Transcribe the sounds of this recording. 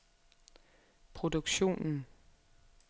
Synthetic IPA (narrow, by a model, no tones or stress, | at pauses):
pʰʁo̝duɡ̥ɕo̝̰ːnn̩